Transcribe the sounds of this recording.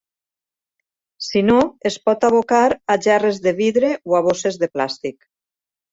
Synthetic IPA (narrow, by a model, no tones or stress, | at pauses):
sinoespɔt̪aβokaɾaʒarezðeβiðɾeoaβ̞osezðeplast̪ik